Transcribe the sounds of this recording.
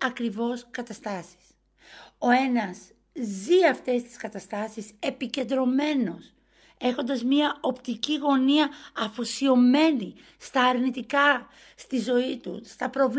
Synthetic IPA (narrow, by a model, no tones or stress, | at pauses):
ɐkɾivo̞skɐt̪ɐst̪ɐsi̥s | o̞enɐs | ziɐft̪e̞st̪i̥skɐt̪ɐst̪ɐsise̞pice̞nd̪ɾo̞me̞no̞s | e̞xo̞nd̪ɐzmɲiɐo̞pt̪iciɣo̞niɐɐfosio̞me̞ni | st̪ɐːɾnit̪ikɐ | st̪izo̞it̪ṵst̪ɐpɾo̞v